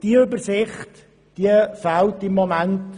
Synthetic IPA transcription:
d̥iəʏbəɾsɪχt | d̥iəfaltɪmːomænt

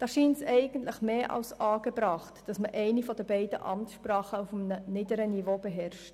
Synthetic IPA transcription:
d̥ɑːʃiːnsɛɪɡəntləχmeːʔɑ̰lsʔɑːɡəbɾɑːχtd̥ɑsməʔɛɪnifɔdəbɛɪd̥əʔɑ̰mtʃprɑːχəufmənənɪdəɾənivob̥eɦɛrʃt

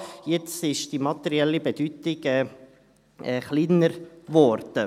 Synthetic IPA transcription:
jɪt͡sɪʃd̥imɑt̪ɛɾiɛlibɛd̥yt̪ɪɡɛː | ɛːχliːnəɾʋɔɾd̥ə

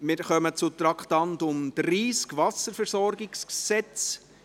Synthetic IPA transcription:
mɪɾχœmət͡sʊt̪ɾɑkχtɑntʊmd̥ɾiːskvɑsəɾfɛɾsɔɾɡɪksksɛt͡s

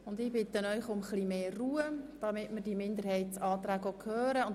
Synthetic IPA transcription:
ʊndɪbɪt̪ənœʏχʊmχlimeːruːəd̥ɑmɪtmɪɾdimɪnd̪əɾhɛɪtsɑːt̪ɾæːɡʋɔkʰhøːɾəʊn

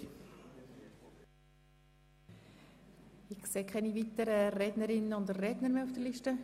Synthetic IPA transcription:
ɪseːkʰɛnivit̪əɾərɛdnəɾɪnːəʊnd̪əːɛdnəɾmeːufd̥əliʃtə

